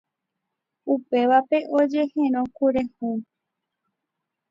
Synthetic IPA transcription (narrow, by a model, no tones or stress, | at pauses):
upe̞ʋape̞ʔod͡ʒe̞hẽɾ̃õkuɾẽhũ